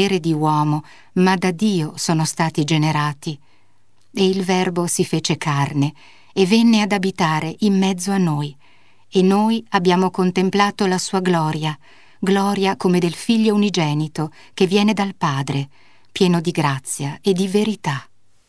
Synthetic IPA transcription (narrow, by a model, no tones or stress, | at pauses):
eːɾed̪iwɔːmo | mad̪ad̪ːiːosoːnost̪aːt̪id͡ʒeneɾaːt̪i | eilvɛrbosifeːt͡ʃekʰarne | evːenːead̪abit̪aːɾeʔimːɛd̪zːoanːoːj | enːoːjabːjaːmokont̪emplaːt̪olasuːaɡlɔːɾja | ɡlɔːɾjakomed̪elfiʎːounid͡ʒɛːnit̪o | kevːjɛːned̪alpaːd̪ɾe | pjɛːnod̪iɡɾat̪sːjaed̪ːiveɾit̪a